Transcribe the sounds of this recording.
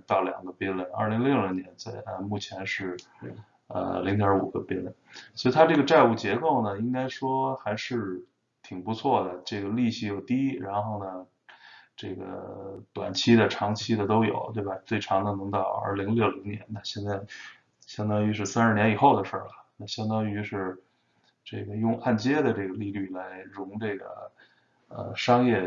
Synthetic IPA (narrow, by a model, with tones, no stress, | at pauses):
t̪ɑ˥˩ʊljɑ̰˨˩ŋɡə˦pɛ˥lɛ˥˩nɐ̰˥˩li˧˥ŋlljo˥˩ʊli˧˥ŋnjɛ˧˥nt͡sa˥˩ɪə˧mu˥˩t͡ɕʰjɛ˧˥nʂɻ̩˥˩ | ə̰˧li˧˥ŋd̪jɑ˧˥ṵ˨˩ɡə˦pɛ˥lɛ˥˩nswɔ˧˥i˧˩t̪ʰa˥ʈ͡ʂɤ˥˩ɡə˩ʈ͡ʂa˥˧ɪu˥˩t͡ɕjɛ˧˥ko˥˩ʊnə˩i˥ŋka˥ɪʂwɔ˥xa˧˥ɪʂɻ̩˥˧ | t̪ʰi˨˩ŋpu˧˥t͡sʰwɔ˥˩d̪ə˩ʈ͡ʂɤ˥˩ɡə˩li˥˧ɕi˥jo˨˩ʊt̪i˥ɻa˧˥nxo˥˩ʊnə˩ | ʈ͡ʂɤ˥˩ɡə̰˩t̪wa̰˨˩nt͡ɕʰi˥d̪ə˨ʈ͡ʂʰɑ˧˥ŋt͡ɕʰi˥d̪ə˨t̪o˥ʊjo̰˨˩˦ʊt̪we˥˩ɪba˩t͡swe˥˩ɪʈ͡ʂʰɑ˧˥ŋd̪ə˧nɤ˧˥ŋt̪ɑ˨˩ʊə̰˞˧˥li˧˥ŋljo˥˩ʊli˧˥ŋnjɛ̰˧˥nna˥˧ɕjɛ˥˧nt͡sa˥˩ɪ | ɕjɑ˥ŋt̪ɑ˥ŋy˧˥ʂɻ̩˥˩sɹ̩˥nə˞˥˩njɛ˧˥ni˨˩xo˥˩ʊd̪ə˩ʂə̰˞˥˩lə˩na˥˩ɕjɑ˥ŋd̪ɑ˥ŋy˧˥ʂɻ̩˥˧ | ʈ͡ʂɤ˥˩ɡə˩jʊ˥˧ŋa˥˩nt͡ɕjɛ˥d̪ə˨ʈ͡ʂɤ˥˩ɡə˩li˥˧ly˥˩la˧˥ɪɻʊ˧˥ŋʈ͡ʂɤ˥˩ɡə̰˩ | ə̰˧ʂɑ˥ŋjɛ˥˩